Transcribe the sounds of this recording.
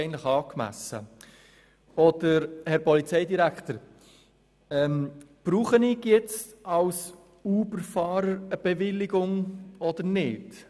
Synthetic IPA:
əntləχɑːkmæ̰sə̰ | ɔd̪̥əɾhɛɾpɔlit͡sɛɪdiɾækt̪əɾ | ɛmb̥ɾuːχənɪɡjɛt͡stɑws | uːbəɾfɑːɾəɾəb̥ɛvɪlːɪɡʊŋɔd̥̪əɾnɪd

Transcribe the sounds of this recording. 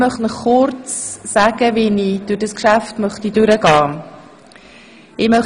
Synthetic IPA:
mœχtnɔχːʊɾt͡ssaːɡ̥əʋinid̥ʊɾd̥ɑskʃaftmœχtidʉɾəɡɑː | ɪmœχ

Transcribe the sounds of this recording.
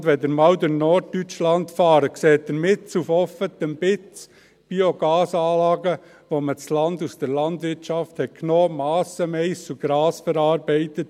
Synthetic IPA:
dʋɛdəɾmɑwdəɾnɔɾd̚tyt͡ʃlɑntfɑːɾəkseːt̚d̪əɾmɪt͡sufɔfət̪əmb̥ɪt͡s | b̥ioɡɑːsɑːlɑːɡə | ʋomət͡slɑndusd̥əɾlɑndʋɪɾtʃɑfthɛtkʰnoːmɑːsəmɛɪsuɡ̥ɾɑːsfəɾɑːɾbɛɪtət̚

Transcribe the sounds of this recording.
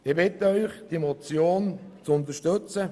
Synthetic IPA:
ɪbɪtəœʏχd̥iemɔt͡sjoːnt͡sʊnt̪əʃtøt͡sə

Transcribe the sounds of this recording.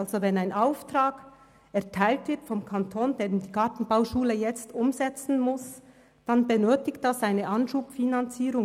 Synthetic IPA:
lzovɛnaɪnʔaʊftʁaːɡ̥ | ɛɐtʰaɪltv̥ɪɐtfɔmkʰantʰoːnd̥eːd̥iːkɑɐtn̩baʊʃuːləjɛt͡stʊmzɛt͡sn̩mʊs | d̥anbənøːtɪkt̚d̥asaɪnəʔɑnʃuːpfinant͡siːʁʊŋ

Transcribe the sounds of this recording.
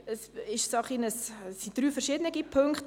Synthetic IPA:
əsɪʃsɑχinəssːid̥ɾyːfɛɾʃɪdənəɡipʰøŋkχt

